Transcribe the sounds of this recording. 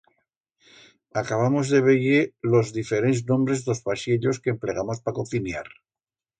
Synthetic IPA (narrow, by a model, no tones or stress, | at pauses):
akaβ̞amo̞zðe̞βeɣelo̞zðife̞ɾenznõ̞mbɾe̞zðozpaʃeʎo̞skeːmple̞ɣ̞amo̞spakoθinja̰ɾ